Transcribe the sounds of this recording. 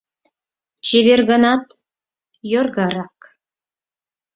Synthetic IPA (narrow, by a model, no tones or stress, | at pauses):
t͡ɕeβerɣɤ̆nɑt̪ | jorɣɑɾɑk